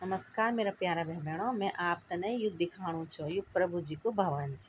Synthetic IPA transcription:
nɐməskaːɾmeːɾapjaːɾabʱeɦbeːɽ̃omɛ̃ʔaːp̚t̪ɐnɐijʊd̪̚d̪ɪkʰaːɽ̃ũt͡ʃʰujʊpɾɐbʱud͡ʒiːkobʱɐʋənt͡ʃʰi̥

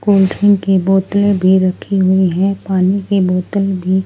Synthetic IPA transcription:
koːlʈʰɪŋkiboːt̪əlebʱiɾɐkʰiɦʊiɦɛ̃paːnikeboːt̪əlbʱi

